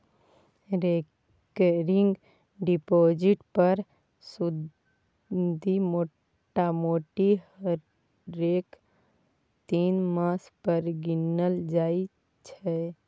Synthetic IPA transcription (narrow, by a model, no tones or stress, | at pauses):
ɾe | kɾɪŋɡ | ɖipoːd͡ʒɪʈpəɾ | sʊd̪ | d̪ʱimoː | ʈamoːʈihəɾ | eːk | t̪iːnmãːspəɾɡɪnːəld͡ʒaːi | t͡ʃʰɛ